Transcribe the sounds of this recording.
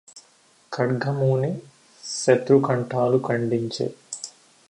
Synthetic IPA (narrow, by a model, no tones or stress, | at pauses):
kʰɐɽɡɐmuːni | ʃet̪ɾukɐɳʈaːlukɐɳɖiɲt͡ʃḛː